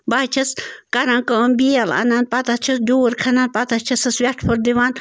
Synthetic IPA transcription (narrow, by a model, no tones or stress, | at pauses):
baːt͡ʃʰɐskɐɾãːnkəmbiɐla̰nan̚pɐt̪ɐt͡ʃʰɐsɖoːɾkʰɐnaːn̚pɐt̪ɐt͡ʃʰɐsɐsʋʲɛʈʰpʰoɾd̪iʋaːn